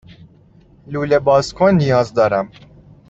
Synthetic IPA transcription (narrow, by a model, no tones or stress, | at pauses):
lulebɑːskʰonːijɑːzd̪ɔːɾæm